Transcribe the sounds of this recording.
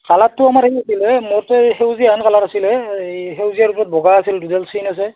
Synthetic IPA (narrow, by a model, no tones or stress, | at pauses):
kalatːʊamaɹʰejasilɛmɔtɛxewziaankalatasilɛɦewzijaɹupɔzɔt̚bɔɡaasildudɛlsinas̬ɛ